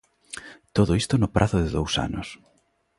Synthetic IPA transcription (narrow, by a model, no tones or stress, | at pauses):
t̪oðoist̪onʊpɾʔaθʊðɪðowsa̰nʊ̰s